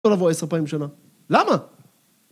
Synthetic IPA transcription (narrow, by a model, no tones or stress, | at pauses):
olavoespaimʃana | lama